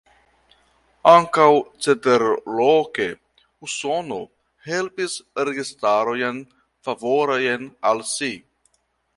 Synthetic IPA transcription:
aŋkawt͡sedeɾloke | uso̞no̞̰ | he̞lpisɾeɡistaɾo̞jen | favo̞ɾojenalsi

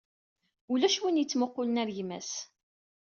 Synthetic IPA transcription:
ulæʃwinjət͡sːmʊqːʊlənæɾjmæ̰s

